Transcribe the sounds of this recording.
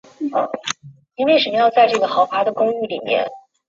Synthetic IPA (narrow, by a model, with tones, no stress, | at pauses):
i˥nwe˥˩ɪʂə˨˩jɑ˥˧ʊt͡sa˥˧ɪʈ͡ʂɤ˥˩ɡə˩xɑ˧˥ʊpʰa˧˥d̪ə˨kʊ˥ŋy˥˩li˨˩mjɛ̰˥˧n